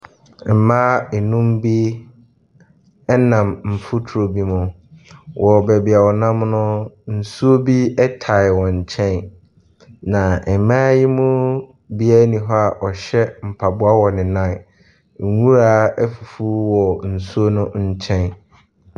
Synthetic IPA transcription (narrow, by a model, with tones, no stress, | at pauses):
m̩˨mãː˦ɛ˨nũ˦mbi˦ | ɛ˦nã˨mm̩˨fu˦tʰɾo˨bi˦mʊ̃˨ | wʔɔ˨bɛ˨bɪ˨a˨wɔ˨nã˦mnʊ̃˦n̩˨su˦o˦bi˦ɛ˦tʰa˨ɪ˨wɔ̃˨ɲ̩˨t͡ɕʰɛ̃˦n | nã˨ɛ˨mãː˦ji˦mʊ̃˦ | bi˦ɛ˦nĩ˨ɦɔ˦a˨ʔɔ˨ɕɛ˦m̩˨pʰa˨bʊ˦a˦wɔ˨nɪ̃˨nã˦˨ | ŋ̩˨wũ˦ɾa˦ɛ˦fu˨fu˦wɔ˨n̩˨su˦o˦nʊ̃˦ɲ̩˦t͡ɕʰɛ̃˦n